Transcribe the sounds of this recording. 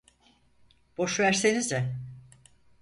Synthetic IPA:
b̥o̞ʃvæɾsenizɛ

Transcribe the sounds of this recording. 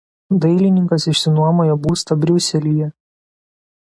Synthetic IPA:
d̪ɐɪlʲɪnʲɪŋkɐsɪʃʲsʲɪnuɔmoːjobuːst̪ɐbʲɾʲʊsʲɛlʲijɛ

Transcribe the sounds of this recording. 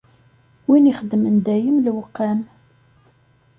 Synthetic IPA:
winiχəd̪ːmənd̪æjəmlwəqːæn

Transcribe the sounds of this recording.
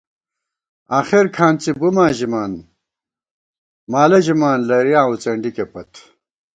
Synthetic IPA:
aːxiɾkʰaːnt͡sibumaːʑimaːn | maːlɐʑimaːnlɐɾijãːut͡sɐɳɖikepɐt̪ʰ

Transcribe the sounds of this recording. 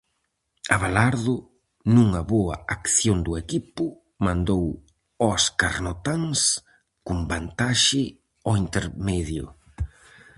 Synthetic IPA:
aβalaɾðʊ | nuŋɐβoɐakθjond̪ʊekipʊ | mãnd̪ow | ɔskaɾnɔt̪aŋs | kumbant̪aʃɪ | ɔint̪eɾmɛðjʊ̰

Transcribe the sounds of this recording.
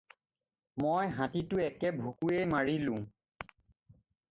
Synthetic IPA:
mojɦãtitʊɛkɛbʱukuejmaɹilʊ̃

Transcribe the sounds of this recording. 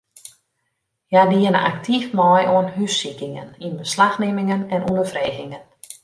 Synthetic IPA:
jadiɪnə̰ʔa̰ktʰifmɔjʔoənɦysikɪŋə̰ninbəslaxnɪmɪŋənɛnʔunəfreːɣɪŋən

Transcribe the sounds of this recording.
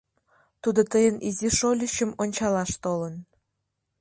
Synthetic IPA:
t̪ud̪ot̪əjənʔiziʃolʲiɕə̆monʲt͡ɕɑlɑʃt̪olən

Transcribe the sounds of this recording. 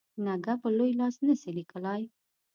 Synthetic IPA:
naɡapəlojlɑsnəsilikəlaj

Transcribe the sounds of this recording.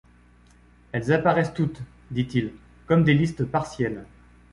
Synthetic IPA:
ɛlzapaʁɛst̪ut̪ | d̪it̪il | kɔmd̪elist̪əpaʁsjɛl

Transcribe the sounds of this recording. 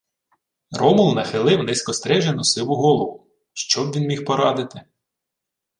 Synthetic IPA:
rɔmʊlˠnɐxɪlˠɪwnɛsʲkɔst̪ɾɛʒenɔsɪwʊɦɔlˠɔʋʊ | ʃt͡ʃɔbʋinmʲixpɔɾɑd̪ɪt̪ɪ

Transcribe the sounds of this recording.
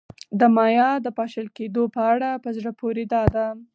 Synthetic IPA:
d̪əmɑjɑd̪əpɑʃəlked̪opəaɽapəzɽəpoɾed̪ɑd̪a

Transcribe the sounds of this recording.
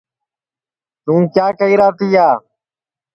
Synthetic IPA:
t̪ũːkjaːkəiːɾaːt̪iːaː

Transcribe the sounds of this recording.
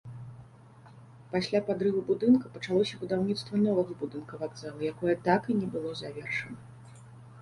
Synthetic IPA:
pasʲlʲapad̪ɾɨvubud̪ɨnkɐpɐt͡ʂalˠɔsʲɐbud̪awnʲit̪st̪vɐnɔvɐɣɐbud̪ɨnkɐvaɡ̪zalˠɐjakɔjɐt̪akinʲɛbɨlˠɔzavʲɛrʂɐnɐ

